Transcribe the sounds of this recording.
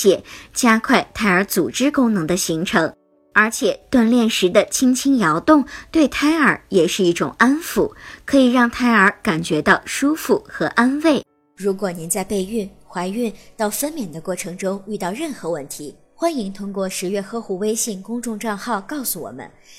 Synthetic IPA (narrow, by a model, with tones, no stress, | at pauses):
jɛ˨˩t͡ɕja˥kʰwa˥˩ɪt̪ʰa˥ɪə˞˧˥t͡su˨˩ʈ͡ʂɻ̩˥kʊ˥ŋnɤ˧˥ŋd̪ə˧ɕi˧˥ŋʈ͡ʂʰɤ˧˥ŋ | ə˞˧˥t͡ɕʰjɛ˨˩˦t̪wa˥˧nljɛ˥˩nʂɻ̩˧˥d̪ə˧t͡ɕʰi˥ŋt͡ɕʰi˥ŋjɑ˧˥ʊt̪ʊ˥˧ŋt̪we˥˩ɪt̪ʰa˥ɪə˞˨˩jɛ˨˩ʂɻ̩˥˧i˥˩ʈ͡ʂʊ̰˨˩ŋa˥nfṵ˧˩kʰɤ˧˥i˨˩ɻɑ˥˩ŋt̪ʰa˥ɪə˞˧˥ka˨˩nt͡ɕɥɛ˧˥t̪ɑ˥˩ʊʂu˥fu˥˩xɤ˧˥ʔa˥nwe˥˩ɪ | ɻu˧˥kwɔ˨˩ni˧˥nt͡sa˥˧ɪpe˥˧ɪy˥˩n | xwa˧˥ɪy˥˧nt̪ɑ˥˩ʊfə˥nmjɛ˨˩nd̪ə˦kwɔ˥˩ʈ͡ʂʰɤ˧˥ŋʈ͡ʂʊ˥ŋy˥˧t̪ɑ˥˧ʊɻə˥˩nxɤ˧˥wə˥˩nt̪ʰi˧˥ | xwa˥ni˧˥ŋt̪ʰʊ˥ŋkwɔ˥˩ʂɻ̩˧˥ɥɛ˥˩xɤ˥xu˧˩we˥ɪɕi˥˩ŋkʊ˥ŋʈ͡ʂʊ˥˧ŋʈ͡ʂɑ˥˧ŋxɑ˥˩ʊkɑ˥˩ʊsu˧wɔ̰˨˩mə̰˦n